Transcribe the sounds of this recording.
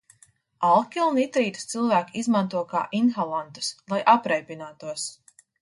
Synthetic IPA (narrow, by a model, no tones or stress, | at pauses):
alˠkʲiunit̪ɾiːt̪u̥st̪sɨlˠvæːkizmant̪uɔka̰ːʔinxalˠant̪u̥slˠajʔapɾɛjpʲinaːt̪uɔs